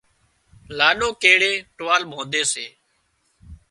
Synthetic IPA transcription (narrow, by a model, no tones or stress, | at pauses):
laːɗõːkeːɽeːʈʋaːlɓʱõːnd̪eːseː